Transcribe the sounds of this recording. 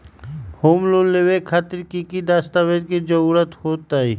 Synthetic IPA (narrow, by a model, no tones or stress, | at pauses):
hoːmlonleʋekʰaːt̪ɪɾkikid̪aːst̪aːʋed̪̚kid͡ʒəɾuːɾət̪hoːt̪aːɦiː